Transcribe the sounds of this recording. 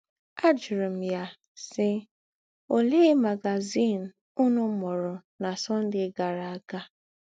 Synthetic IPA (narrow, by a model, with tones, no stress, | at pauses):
a˦d͡ʒɪ˨ɾɪ˨m̩˨ja˦ | sɪ˦ | o˨leː˦ma˨ɡa˨zi˦˨n̩˨ | u˦nʊ˦mɔ˨ɾʊ˨na˨sɔ˦n̩˦dɪ˦ɡa˨ɾa˨a˦ka˦